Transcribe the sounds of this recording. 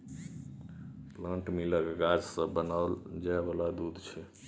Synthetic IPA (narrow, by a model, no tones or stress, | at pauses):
plə̃ɳʈmiləkɡad͡ʒsəbːənald͡ʒabəlad̪ud̪ʱt͡ʃʰɛ